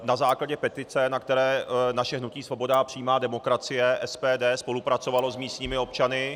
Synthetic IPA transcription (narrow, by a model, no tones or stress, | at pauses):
nazaːklaɟɛpɛt̪ɪt͡sɛnak̚t̪ɛɾɛːnaʃɛɦnuciːsvo̞bo̞dapr̥iːmaːdɛmo̞kɾat͡sɪjɛʔɛspɛːdɛːspo̞lupɾat͡so̞valo̞zmiːst̪ɲiːmɪo̞pt͡ʃanɪ